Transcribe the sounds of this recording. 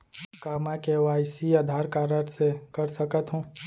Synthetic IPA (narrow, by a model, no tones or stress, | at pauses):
kaːmãkeʋaːjsiaːd̪ʱaːɾkaːɾəɾsekəɾsəkət̪ɦũː